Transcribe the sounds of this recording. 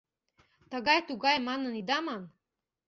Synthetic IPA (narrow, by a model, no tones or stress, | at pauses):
t̪ɤ̆ɣɑjt̪uɣɑjmɑnə̆nid̪ɑmɑn